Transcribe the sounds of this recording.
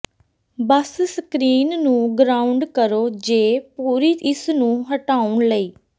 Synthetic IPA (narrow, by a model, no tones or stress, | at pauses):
bəssəkɾiːnnũːɡɾaːʊɳɖkəɾoːd͡ʒeːpuːɾiːɪsnũːɦəʈaːʊɳləiː